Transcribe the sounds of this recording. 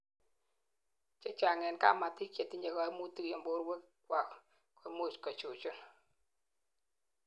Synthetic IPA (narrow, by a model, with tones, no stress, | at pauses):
t͡ʃɔ˨t͡ʃa˨ŋɛ˨nka̰˦˨ma˨tɪ˦kje˨ti˦ɲa˨ɡɔ˨˦mu˦ti˦kɔ˨mbo˦ɾwe˦kkwa˨k | kɔ˨˦mo˦˨t͡ʃkɔ˨t͡ʃu˨t͡ʃʊ˦n